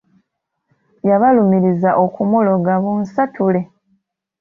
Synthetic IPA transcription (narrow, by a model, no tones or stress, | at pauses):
jaβalumiɾizaʔokumolo̞ɡaβunsatule̞